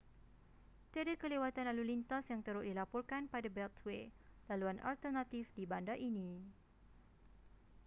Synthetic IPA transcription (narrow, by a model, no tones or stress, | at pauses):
t̪adəkəlewat̪analulint̪asjaŋt̪əɾʊʔ̚dilapɔrkanpadabɛlt̪ʰwelaluanʔa̰lt̪ərnãt̪ifdibandaʔinĩ